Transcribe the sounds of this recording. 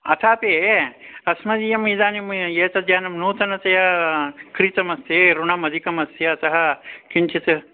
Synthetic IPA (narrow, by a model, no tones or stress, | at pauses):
ɐ̰t̪ʰaːpeːɐsmɐd̪ijɐmid̪aːnimjeːt̪ɐd̪ʱjaːnɐmnuːt̪ɐnɐt̪ɐjɐkɾit̪ɐmɐseːɾuɳɐmɐd̪ʱikɐmɐsjɐɐt̪ɐɦɐkint͡ʃʰit̪ɨ